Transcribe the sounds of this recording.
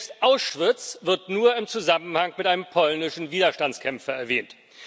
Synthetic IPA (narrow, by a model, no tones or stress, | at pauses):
stʔaʊsʃv̥ɪt͡sv̥ɪɐtnuːɐɪmt͡suzamənhaŋmɪtʔaɪnəmpʰɔlnɪʃn̩viːdɐʃtant͡skʰɛmfɐɛɐvɛːnt